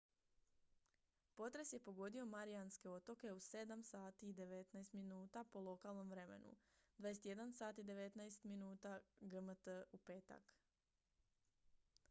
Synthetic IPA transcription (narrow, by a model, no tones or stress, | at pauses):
po̞t̪ɾe̞sje̞po̞ɡo̞d̪io̞maɾianske̞o̞t̪o̞ke̞use̞d̪amsaːt̪iːd̪e̞ʋe̞t̪naest̪minuːt̪apo̞lˠo̞kalˠno̞mʋɾe̞me̞̰nṵd̪ʋajeset̪je̞d̪ansaːt̪iːd̪e̞ʋe̞t̪najst̪minuːt̪aɡəmət̪əupe̞ːt̪a̰k